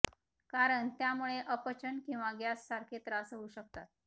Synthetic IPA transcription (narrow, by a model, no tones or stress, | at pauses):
kaɾəɳt̪jamuɭeʔəpət͡ɕənkĩw̃ʋaɡjasːaɾkʰet̪ɾasəɦuɕək̚t̪at̪̚